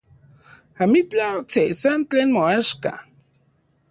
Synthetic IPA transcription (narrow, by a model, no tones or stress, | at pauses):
hamit͡ɬawak̚t͡sesant̪t͡ɬenmoaʃka̰